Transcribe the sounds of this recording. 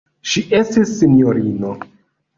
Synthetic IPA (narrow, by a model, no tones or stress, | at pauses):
ʃiʔe̞stisːinijo̞ɾino